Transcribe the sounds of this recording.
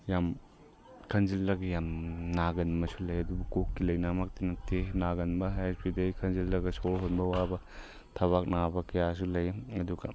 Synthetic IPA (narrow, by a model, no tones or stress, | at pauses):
jam | kʰɐnzilːɐɡɐjamnaɡɐnmɐsulɐjɐdubukokːilɐjnamak̚tinɐtenaɡɐnbɐespʰidɐjkʰɐnzilːɐɡɐsoɾɦonbɐwabɐ | tʰɐβak̚nabɐkɐjas̬ulɐjɐduɡɐ̰